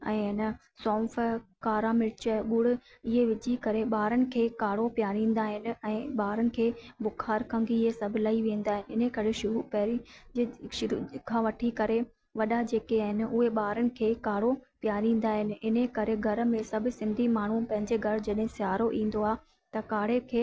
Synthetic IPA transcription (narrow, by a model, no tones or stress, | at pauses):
ɛ̃ːɪnə | sɔ̃ːfkaːɾamɪɾt͡ɕəɡʊɽ̤ʊ̆ɪɦeʋɪd͡ʑʱikɐɾeɓaːɾənɪ̆kʰeːkaːɽ̤opjaːɾĩːn̆d̪aːɦɪnɪ̆ɛ̃ːɓaːɾənɪ̆kʰeːbʊkʰaːɾkʰɐ̃ŋɡiɦesɐbʱɪlaːiʋẽːnd̪aːɦɪnɪɪnəkɐɾeʃʊɾupɛɦɾi | ʃʊɾukʰãːʋɐʈʰikɐɾe | ʋɐɗad͡ʑeːkeaːɦɪnɪʊɦeɓaːɾənɪ̆kʰeːkaːɽ̤opjaːɾĩːn̆d̪aːɦɪnɪ̆ɪnəkɐɾeɡʱɐɾ̆mẽsɐbʱsɪ̃nd̪ʱimaːɳ̤upɐ̃ɦɪ̃ɲd͡ʑeɡʱɐɾ̤d͡ʑɐɗɦɪ̃sɪjaːɾoʔĩːn̆d̪oaːɦ | t̪ɐkaːɽ̤ekʰeː